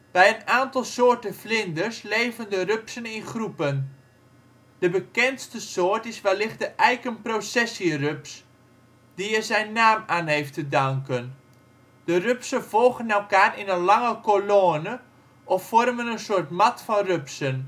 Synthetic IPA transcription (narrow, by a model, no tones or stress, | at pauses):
b̥ɛjənaːntɑlˠsoːrtənflɪndərsleːvəndərøpsənɪnχrupən | d̥əbəkɛnstəsoːtɪsʋɛlɪχtdəʔɛjkənprosɛsirøps | diəzɛjnːaːmaːnɦejftədaŋkən | d̥ərøpsəvɔlˠɣənɛlˠkaːrɪnənlɑŋəkoloːnə | ʔɔfːɔrmənənsʊːtmɑtfɔnrøpsən